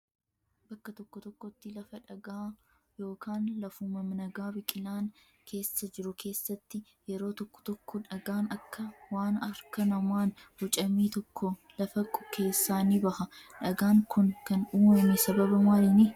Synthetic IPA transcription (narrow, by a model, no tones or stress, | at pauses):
bɐkːɐt̪ɔkːɔt̪ɔkːɔt̪ːɪlɐfɐᶑɐɡaː | jo̞ːkaːnlɐfuːmɐmnɐɡaːbɪkʼɪnaːn | kʰe̞ːsːɐd͡ʒɪɾʊkʰe̞ːsːɐt̪ːɪ | jɛɾo̞ːt̪ɔkːɔ̥t̪ɔkːɔᶑɐɡaːnɐkːɐwaːnɐɾkɐnɐmaːnhʊt͡ʃʼɐmiːt̪ɔkːɔlɐfɐkʼɔkʰːe̞ːsːaːniːbɐhɐᶑɐɡaːŋkʰʊnkɐnuːmɐmɪsɐbɐbɐmaːlɪnɪ